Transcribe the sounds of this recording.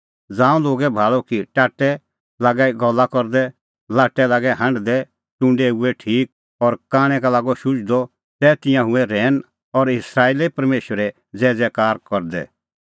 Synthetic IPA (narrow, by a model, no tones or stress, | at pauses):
d͡zãːũloːɡɛbʱaːɭɔkiʈaːʈɛ | laːɡaiɡɔlːakɔɾd̪ɛ | laːʈːɛlaːɡɛɦɐ̃ɳɖd̪ɛ | tʊ̃ɳɖeuɛʈʰiːk̚ | ɔɾkaːɽ̃ɛ̃kalaːɡɔʃʊt͡ʃd̪ɔ | t̪ɛːt̪ɪjãɦʊɛɾɛːn | ɔɾɪsɾaːeːlepɐɾmeːʃwəɾɛ | d͡zɛːd͡zɛkaːɾkɔɾd̪ɛ̰